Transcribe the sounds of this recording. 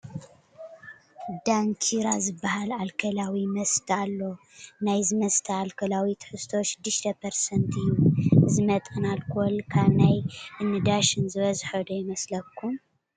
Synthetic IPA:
d̪aŋkʰiɾa̰zɨbːahalalkʰɐlawimɐst̪ʰalːo̞ | najzɨmɐst̪ʰɐalkʰɐlawit̪ʰħɨst̪ʰo̞ʃɪd̪ːɨʃt̪ʰɐpʰɐɾsɐnt̪ʰɨjːuɨzɨmɐt̪ʼɨnalkʰolkʰaβnajʔɨnːɨd̪aʃɨnzɨβɐzħɐd̪ujɪmɐslɐkʰːum

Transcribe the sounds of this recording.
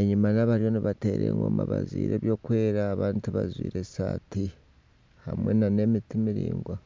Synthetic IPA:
eɲumanaβaɾjo̞niβate̞ɾḛŋɡwomaβazwiːɾʔeːβjo̞ːkwe̞ːɾaːβaːntuβazwiːɾe̞saːti | hamwenane̞mitimiɾiːŋɡwa

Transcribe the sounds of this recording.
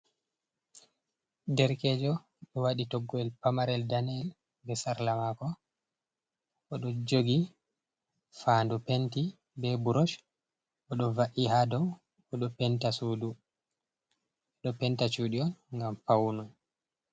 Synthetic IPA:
dɛɾkɛːd͡ʒɔ | ɗɔwaɗitɔɡːɔɛlpamaɾɛldanɛl | bɛsaɾlamakɔ | ʔːɗɔd͡ʒoɡi | faːndupenti | bɛbuɾɔʃ | ʔɔɗɔvaʔihadɔw | ɔɗɔpɛntasuːdu | ɔɗɔpɛntat͡ʃuɗiɔnŋɡampawnɔn

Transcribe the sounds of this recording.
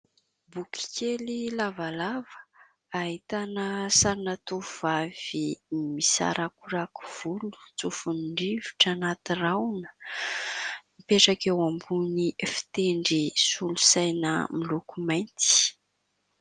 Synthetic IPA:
bukʲi̥kelilavalavə̥ | aɦit̪anəsaɾinat̪uvav̥imisa̰ɾʔakuɾaku̥v̥ulu̥t͡sufuniɳɖ͡ʐivi̥ʈ͡ʂanat̪irawnə̥ | ipeʈ͡ʂakewambunifi̥t̪eɳɖ͡ʐisulusajnə̰milukumajnt̪i̥

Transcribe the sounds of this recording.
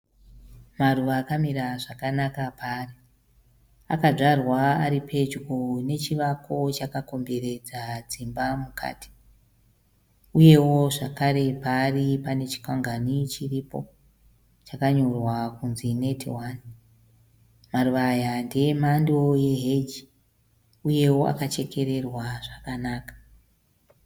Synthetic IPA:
maruʋaːkamiɾaʐakanakapaːri | a̰kaʐarwaaɾipʰe̞d͡ʒɡone̞t͡ʃiʋakʰo̞t͡ʃakako̞mbe̞ɾe̞d͡zad͡zimbamukʰa̰ːti̥ | uje̞wo̞ʐakaɾe̞paːripane̞t͡ʃi̥kaŋɡanit͡ʃiripo̞̰ | t͡ʃakaɲo̞rwakunzine̞tʰiwan | maruʋajandemando̞je̞ɦe̞d͡ʒi | uje̞wo̞ʔa̰kat͡ʃe̞kʰe̞ɾe̞rwaʐakanaːkḁ

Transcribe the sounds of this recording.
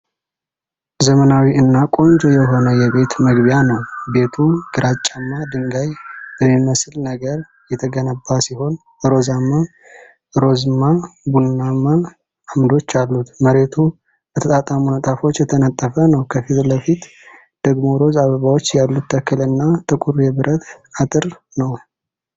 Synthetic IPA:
zəmənawiɨnːakʼo̞nd͡ʒojɛɦo̞nəjɛβe̞t̪məɡbjanəwbe̞t̪ʰuɡ̥ɨɾʔat͡ʃʼːamːad̪ɨŋɡajb̥əmːiməsɨlnəɡəɾ | jɛt̪ʰəɡənəbːasiho̞n | ɨɾo̞zamːa | ɨɾo̞zɨnːabunːamːaː | md̪o̞t͡ʃːalːut̪məɾe̞t̪ʰu | b̥ət̪ʰət̪ʼat̪ʼamunət̪ʼafo̞t͡ʃːjɛt̪ʰənət̪ʼːəfənəwkʰəfit̪ləfit̪ | d̪̥əɡmo̞ɾo̞zaβəβawot͡ʃːjalːut̪ʰːəkːɨlɨnːat̪ʰɨkʷʼuɾjɛβɨɾʔət̪at̪ʼɨɾ | nəw

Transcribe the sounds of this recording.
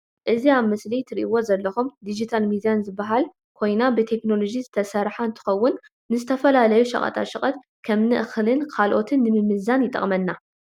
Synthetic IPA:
ʔɨziaβmɐslijt̪ʰɨɾiʔiwo̞zɐlːɐxumd̪id͡ʒit̪ʰalmid̪ijanzɨbːaɦal | kʰo̞jnabɨt̪ʰe̞kno̞lo̞d͡ʒizɨt̪ʰɐsɐɾħaɨnt̪ʰɨ̥xɐwːʊnː | ɨzɨt̪ʰɐfɐlalɐjuʃɐ̰kʼɐ̰t̪ʼʰa̰ʃɨkʼɐt̪ | kʰɐmnɨʔxlɨnkʰalʔo̞t̪ʰɨnːɨmɨmɨzanjɪt̪ʼɐ̰χʼmɐnːa

